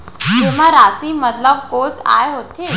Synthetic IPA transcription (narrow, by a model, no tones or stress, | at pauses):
keʋ̤aɾasimət̪ləb̚kot͡sa̰jɦot̪ʰe